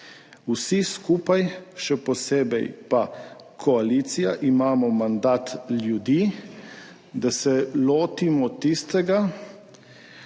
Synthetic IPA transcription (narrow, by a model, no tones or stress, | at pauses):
wsiskuːpajʃɛpɔseːbɛjpa | kʰɔaliːt̪sijaʔimaːmɔmand̪aːt̪ljud̪iː | d̪asɛloːt̪imɔt̪ist̪ɛɡa